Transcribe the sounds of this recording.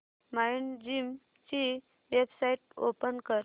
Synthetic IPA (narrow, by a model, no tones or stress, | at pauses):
majnd͡ʑim | t͡ɕi | ʋebsaiʈ̚o̰pənkəɾ